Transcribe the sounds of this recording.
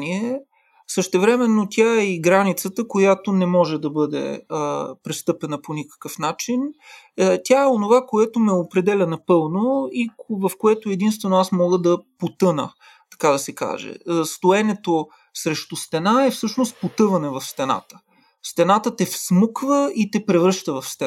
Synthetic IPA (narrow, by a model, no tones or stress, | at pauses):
niɛ | səʃt̪ɛvɾɛmɛnːot̪ʲaɛiɡɾanit̪sət̪əkojat̪onɛmɔʒɛd̪ɐbɤd̪ɛ̰əpɾɛst̪ɤpɛnəponikə̥kəfnat͡ʃin | t̪ʲaɛonovakoɛt̪omɛopɾɛd̪ɛlʲɐnɐpɤlˠnoivɐfkoɛt̪oɛd̪inst̪vɛnoasmɔɡəd̪ɐpot̪ɤnə̰ | t̪ɐ̥kad̪ɐsɛka̰ʒɛ̰st̪oɛnɛt̪o | sɾɛʃt̪ost̪ɛnaɛfsɤʃnost̪̚pot̪ɤvɐnɛvɐfst̪ɛna̰t̪ə̥ | st̪ɛnat̪ət̪ɛfsməkvəit̪ɛpɾɛvɾɤʃt̪əvɐfst̪ɛ